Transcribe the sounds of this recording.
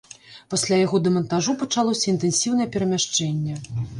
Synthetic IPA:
pasʲlʲajaɣɔd̪ɛmɐnt̪aʐupɐt͡ʂalˠɔsʲɐint̪ɛnsʲiwnɐjɛpʲɛɾɐmʲaʂt͡ʂɛnʲːɛ

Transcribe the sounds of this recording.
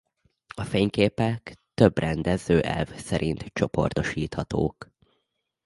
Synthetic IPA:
ɒfeːɲkeːpɛkt̪øbrɛnd̪ɛzøːʔɛ̰lvsɛɾʔint̪t͡ʃo̞po̞̰rt̪o̞ʃiːt̪hɒt̪o̰ːk

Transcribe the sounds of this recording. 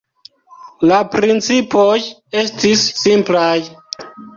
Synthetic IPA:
lapɾint͡sipoje̞stisːimplaj

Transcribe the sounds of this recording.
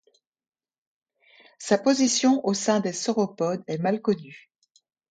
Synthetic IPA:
sapozisjɔ̃ʔosɛ̃d̪esɔʁɔpɔd̪ɛmalkɔny

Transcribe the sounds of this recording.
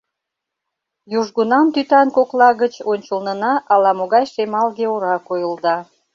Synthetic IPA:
juʒɣunɑmt̪yt̪ɑnkoklɑɣət͡ɕonʲt͡ɕəlnənɑʔɑlɑmoɣɑjʃemɑlɣeoɾɑkojəld̪ɑ

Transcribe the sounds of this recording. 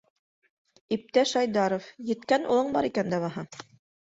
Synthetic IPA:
ip̚t̪æʃɑjd̪ɑɾofjɘ̆t̪kænʔṵlˠɤɴbɑ̰ɾikænd̪æβɑɦɑ

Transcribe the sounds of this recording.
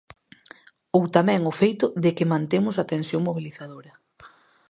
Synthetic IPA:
owt̪amɛ̃ŋʊfejt̪ʊðɪkɪmãnt̪emʊsat̪ensjoŋmoβ̞iliθaðoɾɐ

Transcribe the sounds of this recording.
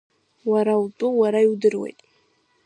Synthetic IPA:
waɾawtʼuwaɾaiwdɨrwḛjtʼ

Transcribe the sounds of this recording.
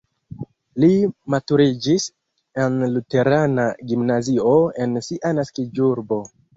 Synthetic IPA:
limatuɾid͡ʒis | enlute̞ɾanaɡimnazio̞e̞nsiʔanaskid͡ʒuɾbo̞

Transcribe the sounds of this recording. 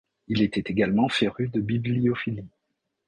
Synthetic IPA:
ilet̪ɛt̪eɡalmɑ̃feʁyd̪əbibliɔfili

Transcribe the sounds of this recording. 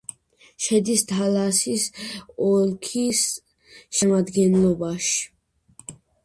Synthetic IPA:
ʃɛd̪ist̪ʰalasisɔlkʰis | ʃɛmad̪ɡɛnlɔbaʃi̥

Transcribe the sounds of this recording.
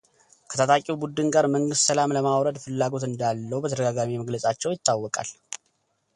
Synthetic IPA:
kʰə̥t̪ʰat̪ʰakʼiwubud̪ɨnɡaɾməŋɡɨst̪səlamləmawɾəd̪fɨlːaɡo̞t̪ɨnd̪alːəwbət̪ʰəd̪əɡaɡamiməɡləsʼat͡ʃːɛwjɪt̪ːawːɔkʼa̰l

